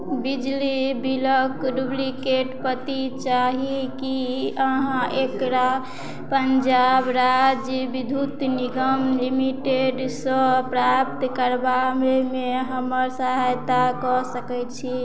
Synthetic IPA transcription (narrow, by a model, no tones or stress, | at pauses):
bid͡ʒlibiləkɖublikeʈpət̪it͡ʃaɦikiəɦãʔekɾa | pənd͡ʒabɾad͡ʒjəbid̪ʱut̪niɡəmlimiʈeɖsəpɾap̚t̪kəɾbamemeɦəməɾsəɦajt̪akɔsəkɛt͡ʃʰi